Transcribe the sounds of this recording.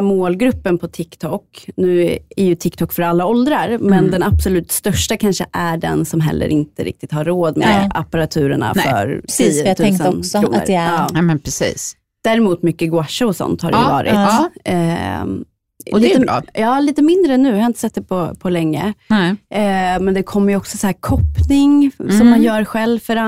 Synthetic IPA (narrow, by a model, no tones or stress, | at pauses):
moːlɡɾɵpːənpʰɔt̪ʰɪkt̪ʰɔkːnʉ̟ːæɾjɵt̪ʰɪkːt̪ʰɔkːfœɾalːaɔld̪ɾaɾmɛnd̪ɛnabsɔlʉ̟ːt̪st̪œʂʈakʰanʂəʔæɖɛ̰nsɔmɦɛ̰lːə̰ɾʔɪnt̪əɾɪ̰k̚t̪ɪt̪haɾːoːd̪mḛa̰paɾat̪ʰʉ̟ːɾəɳa̰fœ̰ɾsiːt̪ʰːɛŋsəɔsuːə̰ɾɛɑːɛmɛnpʰɾɛsḭːs | d̪̥æːɾɛmuːt̪mʏkːəɡwaʂaɔsɔ̰nt̪haɾɛvɑ̰ːɾʔɪ̰t̪ɛ | iːə̰jɑːliːt̪əmɪnd̪ɾəɛnːʉ̟ːjhaɪnt̪əsɛt̪d̪ɛpʰɔpʰɔlɛŋːə̰ | mɛnd̪ɛkʰɔmːəɾjɔksɔsahæːɾkʰɔpnɪŋssɔmːanjœːɾɧɛlvfœɾa